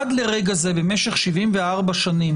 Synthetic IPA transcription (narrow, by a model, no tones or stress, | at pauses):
ad̪leʁeɡazebemeʃeχʃivimveaʁbaʃanim